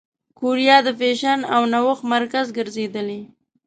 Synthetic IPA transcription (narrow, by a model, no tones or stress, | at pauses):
kuɾjɑd̪əfeʃanawnawəxmaɾkazɡəɾzed̪əle